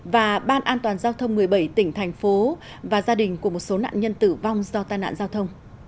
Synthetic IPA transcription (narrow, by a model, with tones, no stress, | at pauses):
vaː˨˩ɓaː˧nʔaː˧nt̪waː˨˩nzaː˧wt̪ʰə˧wŋ͡mmɨ˨˩əjɓə˧˩jt̪ï˧˩ŋ̟t̪ʰɛ˨˩jŋ̟fo˨˦ | vaː˨˩zaː˧ɗï˨˩ŋ̟ku˧˩əmo˨˩t̚so˨˦na̰ː˧˨nɲə˧nt̪ɨ˧˩va˧wŋ͡mzɔ˧t̪aː˧jna̰ː˧˨nzaː˧wt̪ʰə˧wŋ͡m